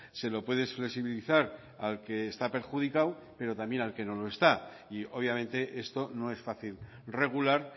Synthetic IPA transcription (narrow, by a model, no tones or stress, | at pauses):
se̞lo̞pwe̞ðe̞sfle̞ksiβiliθaɾ | alke̞ːst̪ape̞ɾxuðikaw | pe̞ɾo̞t̪ambje̞nalke̞no̞loest̪a | io̞β̞jamẽ̞nt̪e̞ʔe̞st̪o̞no̞e̞sfaθil | re̞ɣ̞ulaɾ